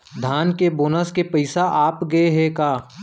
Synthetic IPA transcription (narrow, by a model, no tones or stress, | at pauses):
d̪ʱaːnkeboːnəskepɐɪsaʔaːpɡɐeɦɛkaː